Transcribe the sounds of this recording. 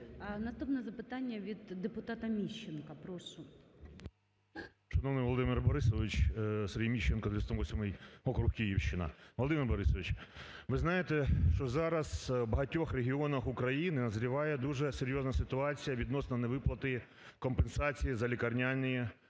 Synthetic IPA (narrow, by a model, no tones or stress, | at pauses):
nɐst̪upnɛzɐpɪt̪ɑnʲːɐʋʲid̪ːepʊt̪ɑt̪ɐmʲiʃt͡ʃenkɐpɾɔʃʊ | ʃɐnɔʋnɪʋɔlˠɔd̪ɪmɪrbɔɾɪsɔʋɪt͡ʃserʲɦʲijmʲiʃt͡ʃenkɐd̪ʋʲst̪ɔmʋɔsʲmɪjɦɔkɾuxkʲijiwʃt͡ʃɪnɐ̰ʋɔlˠɔd̪ɪmɪrbɔɾɪsɔʋɪt͡ʃʲʋɪznɑjet̪ɛʃt͡ʃɔzɑɾɐsbɐɦɐtʲːɔxreɦʲiɔnɐxʊkɾɐjinɪnɐzɾʲiʋɑjɛd̪uʒɛseɾʲjoznɐsɪt̪ʊɑt͡sʲijɐʋʲid̪nɔsnɐneʋɪplˠɐt̪ɪji | kɔmpensɑt͡sʲijizɐlʲikɐrnʲanʲɪji